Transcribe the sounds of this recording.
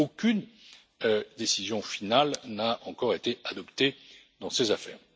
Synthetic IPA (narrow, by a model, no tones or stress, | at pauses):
okʲyn | ød̪esizjɔ̃finalnaɑ̃kɔʁet̪ead̪ɔpt̪e | d̪ɑ̃sezafɛ̰ːʁ